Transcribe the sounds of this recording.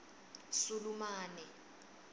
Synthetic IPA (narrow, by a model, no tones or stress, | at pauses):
sulumaːnɛ